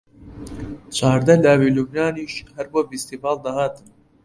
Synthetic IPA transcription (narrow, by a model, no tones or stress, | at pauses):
t͡ʃʰaːɾd̪ɐlaːvilubnaːniʃhɐɾboːfist̪ivɑːlˠd̪ahaːt̪ʰɨm